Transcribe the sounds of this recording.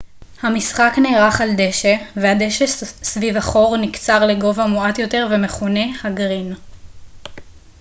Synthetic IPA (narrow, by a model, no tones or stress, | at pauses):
hamisχakneːʁaχald̪e̞ʃevehad̪eʃessvivaχo̞ʁnikt͡saʁleɡo̞vamuat̪jo̞te̞ʁve̞meχone̞haɡʁin